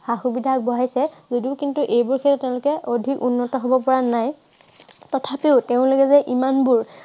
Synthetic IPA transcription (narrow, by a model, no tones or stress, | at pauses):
haxubidʱak̚bɔɦajsɛzodiʊkintuʔejbʊɹkʰɛtɛtːẽʊ̃lʊkɛʔodʱikunːɔtɔɦɔbɔpɔɹanaj | tɔtʰapeʊteʊ̃lʊkɛzɛʔimanbuɹ